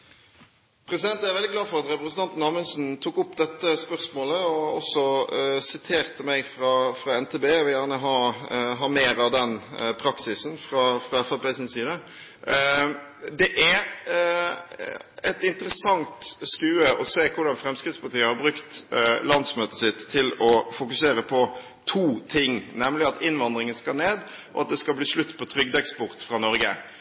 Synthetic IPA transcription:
pʰɾɛsɪd̪ɛnt̪æɾʋɛld̪ɪɡlɑːfɔɾɑt̪ɾɛpɾəsnt̪ɑnt̪nɑmənsnt̪ʰuːkʊpːd̪ɛt̪ːəspœʁsmoːləɔɔsːɔsɪt̪ʰeːʁt̪əmæɪfɾɑfɾɑɛnt̪ʰeːbeːɔʋɪljæːʁnəɦɑɦɑmeːɾɑʋd̪ɛnpʰɾɑksɪsn̩fɾɑfɾɑɛfæbeːsɪnsiːd̪ɑ | d̪ɛʔæ | ɛt̪ɪnt̪əɾəsɑŋt̪skʉːəʔɔseːkʰʊɾd̪ɑnfɾɛmskɾɪt̪spɑt̪iːəhɑɾbɾʉkt̪lɑnd̪smøːt̪əsɪt̪ʰːɪlɔfʊkʉseːɾəpʰɔ | t̪ʰuːt̪ʰɪŋːnɛmlɪɑt̪ɪnʋɑnd̪ɾɪŋənskɑneːd̪ɔɑt̪̚d̪ɛskɑlbliːʂɭʉt̪ːpʰɔt̪ʰɾʏɡd̪ɛkspʊɾt̪fɾɑnɔɾɡə

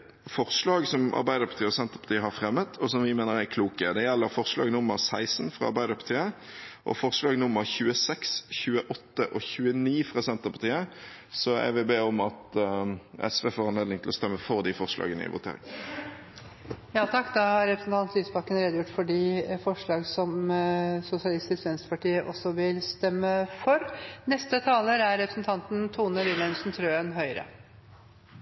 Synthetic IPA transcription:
fɔʁʂlɑːɡsɔmʔɑ̰ɾbæɪd̪əɾpɑ̥t̪ʰiːəɔsɛnt̪əʁpɑ̥t̪ʰiːəɦɑɾfʁɛmːət̪ʰɔsɔmʋɪmeːnəʁæɪkʰluːkəd̪ɛjɛlːəɾfɔʁʂlɑ̰ːɡnʊmːəʁsæɪsnfɾʁɑ̰ɑɾbæɪd̪əɾpʰɑ̥ʁt̪ʰiːə | ʔɔ̰fɔʁʂlɑːɡnʊməʁçʉːəsɛksçʉːəʔɔt̪ːəʔɔçʉːəniːfʁɑsɛnt̪əʁpɑt̪iːəsɔæ̰ʋɪbeːɔmɑt̪ | ɛ̰sʋeːfoːɾɛnleːd̪ɪŋt̪ʰlɔst̪ɛmːəfɔʁd̪ifɔʁʂlɑ̰ːɡənəɪ̰ʋʊ̰t̪ʰḛːɾɪ̰ŋ | jɑːt̪ʰɑkːd̪ɑhɑɾɾɛpɾəsn̩t̪ɑnt̪lyːsbɑkːənɾeːd̪əjʊʈːfɔɖiːfɔʂɭɑːɡsɔm | sʊsɪɑlɪst̪ɪskʋɛnst̪əpɑʈiːəʔɔ̰sːɔʋɪlst̪ɛmːəfɔɾnɛst̪ət̪ʰɑːləɾæɾɾɛpɾə̥snt̪ʰɑnt̪nt̪ʰuːnəʋɪlənsnt̪ʰɾøːənɦœʏɾə̰

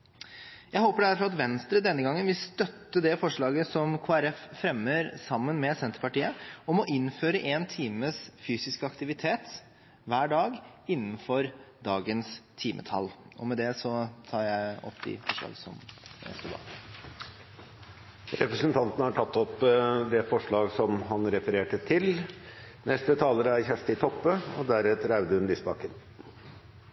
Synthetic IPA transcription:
jæɪɦoːpəɖæɾfɔɾɑt̪ʋɛnst̪ɾəd̪ɛnːəɡɑŋːənʋɪlst̪œt̪ːəd̪ɛfɔʂɭɑːɡəsɔmkʰoːæɾɛffɾɛmːəɾsɑmːənmɛsɛnt̪əɾpɑʈiːəɔmɔʔɪnføːɾəʔeːnt̪ʰiːməsfyːsɪskəɑkt̪ɪʋɪt̪ʰeːt̪ | ʋæːɖɑːɡ | ɪnːn̩fɔɾd̪ɑːɡənst̪ʰiːmʔə̰t̪ʰɑ̰lːʔɔmɛd̪ɛsɔt̪ʰɑːɾjæɪɔ̰pːɪ̰fɔʂlɑ̰ːɡsɔ̰mɛ̰st̪ud̪ɑ̰ | ɾɛpɾəsənt̪ʰɑnt̪nəhɑʈʰɑt̪ːɔpd̪ɛfɔʂɭɑːɡsɔmɦɑnɾɛfəɾeːʈət̪ʰɪl | nʔɛst̪ət̪ʰɑːləɾəæɾçæʂʈ̪ɪt̪ʰɔpːəɔd̪æɾɛːt̪əɾæʉd̪əhʉnlisbɑkən

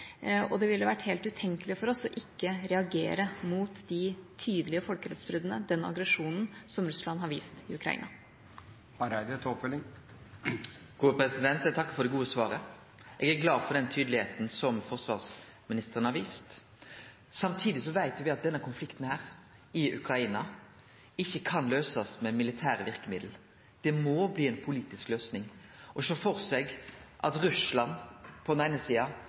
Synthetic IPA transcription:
ɔd̪ɛʋɪlːəʋæʈːheːlt̪ʉt̪ʰɛŋkəlɪfɔɾɔsɔʔɪkːəɾɛɑɡeːɾəmuːt̪d̪ɪt̪ʰyːd̪əlɪəfɔlkəɾɛt̪sbɾʏd̪n̩əd̪ɛnɑ̰ɡɾɛʂuːnn̩sɔmɾʉslɑnɦɑɾʋḭːst̪ɪʉkʰɾɑ̰ḭːnɑ | hɑɾæd̪t̪ʰɔpfœlɪŋ | ɡ̥uːəpʰɾɛsɪd̪ɛnt̪ɛt̪ʰɑkːə̥fɔɾd̪ɛɡuːəsʋɑːɾə | ʔeːɡæɡlɑːfɔʁd̪ɛnt̪ʰyːd̪l̩ɪheːt̪n̩sɔmfɔʁsʋɑ̰ːʁs | mɪnɪst̪əʁənhɑʋiːst̪ | sɑmt̪ʰiːd̪ɪsɔʋæɪt̪ʋɪɑt̪̚d̪ɛnːəkʰʊnflɪkt̪n̩hæːɾ | ɪʔʉ̰kɾɑiːnɑ | ɪçːəkʰɑnløːsɑsmɛmɪlɪt̪ʰæːɾəʋɪʁkəmɪd̪l̩ | d̪̥ɛmoːbliːɛɪnpʰʊliːt̪ɪskløːsnɪŋʔɔʃoːfɔʁsɛɡʔɑt̪ʁʉslɑnpʰɔd̪ɛnæɪnəsiːɑ

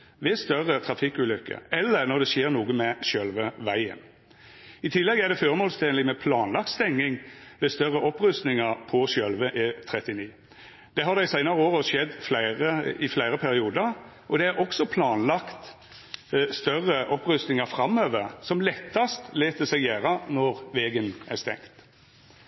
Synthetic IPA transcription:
ʋɛst̪œʁət̪ʰɾɑfɪkːʉːlʏkːə̰ɛlːəɾnɔɾd̪ɛʃeːɾnuːɡəmɛʃœlʋəʋæɪə̰n | ɪt̪ʰɪlːɛɡæɾd̪ɛføːɾəmoːlst̪ʰeːnlɪmɛpʰlɑːnlɑk̚t̪st̪ɛŋːɪŋʋɛst̪œʁəʔɔpɾʉst̪nɪŋɑɾpʰɔʃœlʋəʔet̪ʰɾɛt̪ɪniː | d̪̥ɛɦɑd̪æɪsæɪnɑɾəoːɾʃɛd̪ːflæɪʁəɪflæɪɾəpʰæɾɪuːd̪əɾ | ʔɔd̪ɛæɾʔɔksɔpʰlɑːnlɑkt̪ | st̪œrːəʔɔpɾʉst̪nɪŋɑɾfɾɑmøːʋəʁsɔmlɛt̪ʰːɑst̪leːt̪əsɛɡjæːɾɑnɔʁʋeːɡənæst̪ɛ̰ŋt̪

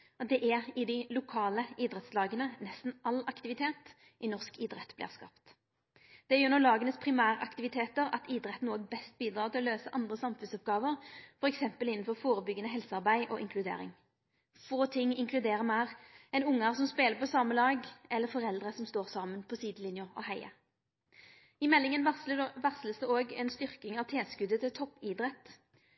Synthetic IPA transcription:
ɔt̪̚d̪ɛʔæʁɪd̪ɪlʊkʰɑːləiːd̪ʁɛt̪slɑːɡənənɛst̪n̩ʔɑlɑkt̪ɪʋɪt̪ʰeːt̪ | ʔɪnɔʁskiːd̪ɾɛt̪ːblɪ̰ːʁskɑ̰ːpt̪ | d̪̥ɛjøːʁnɔʁlɑːɡənəspʰʁɪmæːʁəʔɑkt̪ɪʋɪt̪ʰeːt̪əɾɑ̰t̪iːd̪ɾɛt̪ːn̩oːɡ̚bɛst̪̚biːd̪ɾɑːt̪ɪlɔløːsəʔɑnd̪ʁəsɑmfʉnsɔp̚ɡɑːʋəʁfɔɾɛksɛmpəlɪnːn̩fɔʁfoːɾəbʏɡːənəɦɛlsɑʁbæɪʔɔ̰ʔɪŋkʰlʉd̪ḛːɾɪ̰ŋ | foːt̪ʰɪŋːɪŋklʉd̪eːʁəmæːʁɛɪnʊŋːɑʁsɔmspeːləpɔsɑːməlɑːɡɛlːəfɔʁɛld̪ʁəsɔmst̪oːʁsɑːmənpʰɔsiːd̪lɪnjʊʁɔ̰hæɪə̰ | ɪmɛlːɪŋənʋæʁsləsd̪ɛoːɡɛnst̪ʏʁkɪŋɑʋt̪ʰeːskʉd̪ət̪ɪlt̪ʰɔpːiːd̪ɾɛt̪ː

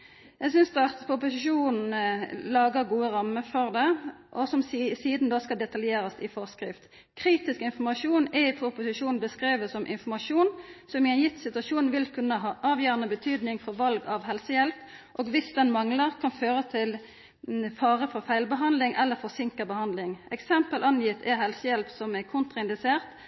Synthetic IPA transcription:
jæɪɡsʏnsd̪ɑpʰʊpʊsɪʃuːnn̩lɑːɡəʁɡuːəʁɑmːəfɔʁd̪ɛʔɔsɔmsiːd̪n̩d̪oːskɑld̪ɛt̪ɑljeːɾəsɪfɔʁskʁɪft̪ | kʰʁiːt̪ɪskɪnfɔmɑʂuːnɛpʰʊpʊsɪʂuːnn̩bəskʁeːʋəsɔmʔɪ̰nfɔmɑʂuːnsɔmɪɛnjɪt̪ːsɪt̪ʉɑʃuːnnʋɪlkʰʉnːəɦɑːʔɑːʋjøːʁənəbət̪ʰyːd̪nɪŋfɔʁʋɑlɡɑʋɦɛlsəjɛlp | ʔoːɡʋɪsd̪ɛnmɑŋləʁkʰɑnføːʁət̪ʰɪl | fɑːʁəfɔʁfæɪlbəɦɑnd̪lɪŋʔɛlːəfɔʁsɪŋkəbəhɑnd̪lɪŋɛksɛmpəlʔɑnjɪt̪ʰɛɦɛlsəjɛlpsɔmækʰʊnt̪ʁɑɪnd̪ɪseːʁt̪

